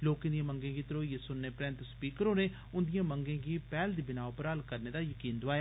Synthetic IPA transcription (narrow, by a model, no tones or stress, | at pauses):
loːkɪ̃nd̪ijãːməŋɡẽːɡiːt̪əɾoːjesʊnːeːpɾɛ̃ːnt̪spiːkəɾõːneː | ʊnd̪ijãːməŋɡẽːɡiːpɛːld̪iːbɪnaːopəɾəlkəɾneːd̪aːjəkiːnd̪ʊaːjaː